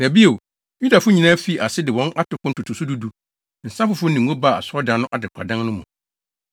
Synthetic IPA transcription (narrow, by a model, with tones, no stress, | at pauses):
n˨æ˨bi˦o˨ | ju˦da˨fʊ˦ɲĩ˨nãː˦fi˦˨ʔa˨sɪ˦dɪ˨wɔ̃˦na˦tʊ˨˦kʊ̃˦n˦tʰʊ˨tʰʊ˨su˦du˦du˨ | n̩˨sã˦fʊ˨fʊ˦nɪ̃˨ŋ˦õ˦ba˨a˨sʊ˦ɔ˦dã˨nːʊ̃˦ʔa˨dɪ˨kʰʷa̰˨dã˦ŋnʊ̃˦mʊ̃˨